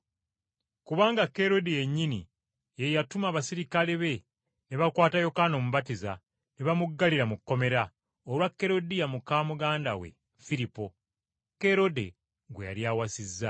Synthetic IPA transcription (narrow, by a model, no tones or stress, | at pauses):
kuβaːŋɡakːe̞ɾo̞deje̞ɲːini | je̞jatumaβasiɾikaleβe̞ | ne̞βakwaːtajo̞kano̞muβatiza̰ | neβamuɡːaliɾamukːo̞me̞ɾa | olwakːe̞ɾo̞dijamukaːmuɡaːnda̰wḛ | fiɾipo̞ | ke̞ɾo̞de̞ | ɡweja̰ljaːwasizːa